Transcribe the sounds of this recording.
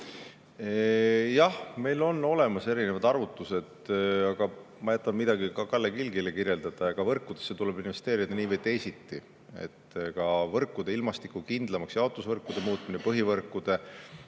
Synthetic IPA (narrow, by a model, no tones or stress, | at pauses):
jɑhme̞jlo̞nːo̞le̞mɑse̞ɾine̞vɑd̪̥ɑrvut̪ːˑuse̞d̥̪ɑɡ̥ɑ | mɑjæt̪ˑːɑmmid̪̥ɑɡikɑkɑlːekilɡilekirje̞ld̪̥ɑd̪̥ɑɑɡ̥ɑvɤrkːˑud̪̥esːet̪ule̞binve̞st̪e̞ːɾid̪̥ɑniːvejt̪e̞jsit̪ːi | e̞̰t̪ːkɑvɤrkːˑud̪̥e̞ilmɑst̪ikukind̪̥lɑmɑksjɑot̪ːˑusvɤrkːˑud̪̥e̞muːt̪minepɤɦivɤrkːˑud̪̥e̞